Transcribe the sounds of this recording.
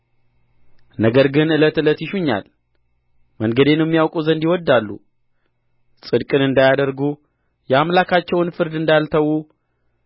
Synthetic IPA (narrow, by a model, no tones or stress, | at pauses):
nəɡəɾɡɨnɨlət̪ɨlət̪jɪʃuɲːa̰l | məŋɡəd̪enmːijawkʼuzənd̪iwɔd̪ːalːṵ | sʼɨd̪kʼɨnɨnd̪ajad̪əɾɡu | jɛamlakʰat͡ʃːɛwnfɨɾd̪ɨnd̪alt̪ʰəwu